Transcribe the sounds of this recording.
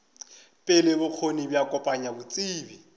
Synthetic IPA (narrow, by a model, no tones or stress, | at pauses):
pʼɪlɪbʊq͡χʰonibjakʼɔpʼaɲabʊt͡sʼiːbi